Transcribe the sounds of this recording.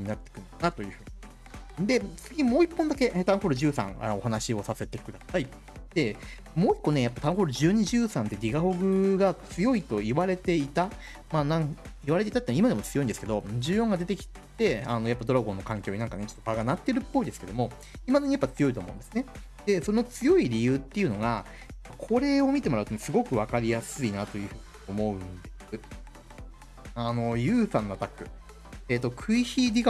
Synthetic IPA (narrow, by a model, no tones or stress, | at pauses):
ɲ̟inat̪ːe̥kɯ̟nokanat̪o̞jɯ̟ɸɯ̟ːi | d̪e̞t͡sɨɡʲimo̞ːipːõnd̪ake̞ʔt̪ãnkoɾɯ̟ʑɨːsã̰ŋa̰nohanaɕio̞sase̞t̪e̞kɯ̟d̪asai | d̪̥e̞ | mo̞ːikːo̞ne̞japːat̪ãnokoɾɯ̟ʑɨːɲ̟iʑɨːsãnd̪e̞dʲiɡaho̞ɡɯ̟ɡat͡sɨjo̞it̪o̞iβaɾe̞t̪e̞it̪a | manãŋiβaɾeit̪at̪ːeinmimad̪e̞mo̞t͡sɨjo̞ĩnd̪esɨ̥ke̞d̪o̞d͡ʑɨːjõ̞ŋɡad̪e̞t̪e̞kʲi̥ | t̪e̞ano̞japːad̪o̞ɾaɡõ̞nːokãŋkʲo̞ːɲʲinãŋkane̞t͡ɕo̥t̪ːpaɡanat̪ːe̞ɾɯ̟pːo̞id̪eɨ̥ke̞d̪omo̞ | imad̪aɲ̟ijapːat͡sɨjo̞it̪oːmõ̰nd̪esɨ̥ne | d̪̥e̞so̞no̞t͡sɨjo̞iɾʲijɯ̟ːt̪ːe̞jɯ̟no̞ɡa | japːakʰo̞ɾe̞o̞mʲit̪e̞mo̞ɾaɯ̟t̪onesɨɡo̞kɯ̟βakaɾʲijasɨinat̪o̞jɯ̟ɸɯːɲiomo̞ɯ̟̃nd̪eɨ | ano̞jɯ̟ːsãnːat̪akɯ̟ | eːt̪ːo̞kʰɯ̟içid̪ʲiɡ